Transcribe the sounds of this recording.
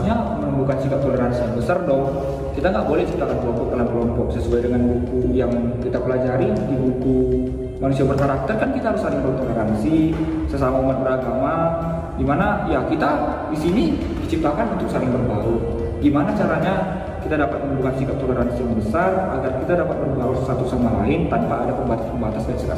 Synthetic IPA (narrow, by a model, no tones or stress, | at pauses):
ɲamənubukansikap̚t̪oləɾansijaŋbəsardɔh | kit̪aŋɡaʔbolɛht͡ʃip̚t̪akankəlɔmpɔk̚dalamkəlɔmpɔk̚səsuajdəŋanbukujaŋkit̪apəlad͡ʒaɾidibuku | manusiabərkaɾak̚t̪ərkankit̪aɦaɾʊsalɪŋmənaut̪oləɾansi | səsamaumat̪̚bəɾaɡama | ɡimanajakit̪adisini | dit͡ʃip̚t̪akanunt̪ʊksalɪŋbərbaɾu | ɡimanat͡ʃaɾaɲa | kit̪adapat̪̚mənubukat̪sikap̚t̪oləɾansijaŋbəsara̰ɡarkit̪adapat̪̚bərbausəsat̪usamalaɪnt̪anpaːdapəmbaat̪aspəmbat̪asjaŋsika̰